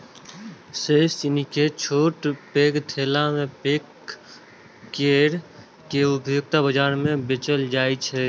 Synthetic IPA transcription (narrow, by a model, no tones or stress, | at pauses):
seːst͡ʃɪniket͡ʃʰoːʈpeːkt̪ʰeːlamẽpeːk | eːɾ | keʊbjʊɡ̚t̪abəd͡ʒaːɾmẽbɪt͡ʃəld͡ʒaːit͡ʃʰɛ